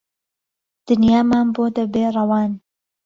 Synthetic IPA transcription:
d̪̥ɨnjaːmaːnboːd̪ɐbeːrˤɐwɑːn

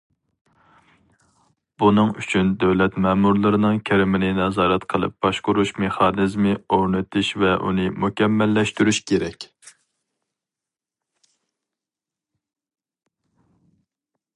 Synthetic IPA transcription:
b̥unɨŋyt͡ʃʰynd̪æwlɛt̪mɛːmuɾlˠɨɾɨnɨŋkʲʰæɾɪmɪnɪnɛzɑːɾɛt̪qʰəlˠɨ̰p̚b̥ɑʃqʊɾuʃmeχɑnɨzmɨoɾnɨt̪ʰɪʃvɛʔṵnɨmukʲɛmːɛlːɛʃt̪yɾyʃkʲʰeɾɛkʲ

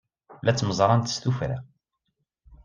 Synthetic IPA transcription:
læt͡sːməzˤɾˤɑnt̪st̪ufɾa̰

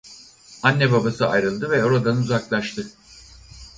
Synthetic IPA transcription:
anʲːɛbabasɯajɾɯlˠd̪ɯvɛo̞ɾad̪anuzaklˠaʃt̪ʰɯ

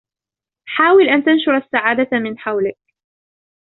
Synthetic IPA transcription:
ħaːwɪlʔant̪anʃʊɾˤasːaʕaːd̪amɪnħawlɪk̚

